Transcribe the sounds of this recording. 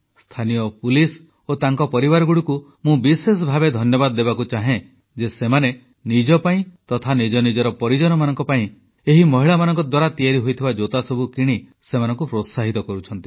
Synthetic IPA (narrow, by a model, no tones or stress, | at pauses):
st̪ʰanijɔpulis | ot̪aŋkɔpɔɾibaɾɔɡuɽiku | mũbises̬ɔbʱabed̪ʱɔnjɔbad̪ɔd̪eβakut͡ʃaɦẽ | d͡ʒesemane | nid͡ʒɔpaĩt̪ɔt̪ʰanid͡ʒɔnid͡ʒɔɾɔpɔɾid͡ʒɔnɔmanɔŋkɔpaĩ | eɦimɔɦiɭamanɔ̃ŋkɔd̪waɾat̪iaɾiɦojt̪ʰibad͡ʒot̪asɔbʱukiɽ̃i | semanɔŋkupɾot̪saɦit̪ɔkɔɾut͡ʃʰɔnt̪i̥